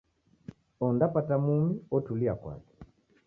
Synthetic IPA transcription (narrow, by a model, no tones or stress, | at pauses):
ɔndapatamumiɔtuliakwa̰kɛ̥